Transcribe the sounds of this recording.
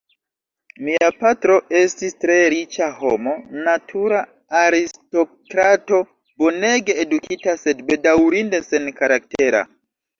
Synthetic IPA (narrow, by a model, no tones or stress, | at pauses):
miapatɾo̞e̞stistɾe̞ɾit͡ʃaho̞̰mo̞natʰuɾaː | ɾisto̞kɾato̞ | bo̞ne̞ɡe̞ːdukitase̞dbe̞dawɾinde̞se̞nkaɾak̚te̞ɾa̰